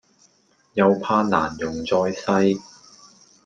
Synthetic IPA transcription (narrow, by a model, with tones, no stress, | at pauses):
jɐ˨wpʰaː˧na̰ː˨˩njʊ˨˩ŋt͡sɔː˧jsɐ˥j